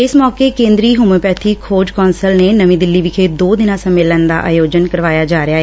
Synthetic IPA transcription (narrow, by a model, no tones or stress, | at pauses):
ɪsmɔːkeːkẽːnd̪ɾiːɦʊməpɛːt̪ʰiːkʰoːd͡ʒkɔːnsəlneːnəʋĩːd̪ɪlːiːʋɪkʰeːd̪oːd̪ɪnãːsəmːɪlənd̪a̰ːʔa̰ːjoːd͡ʒənkəɾʋaːjaːd͡ʒaːɾɪjaːɦɛː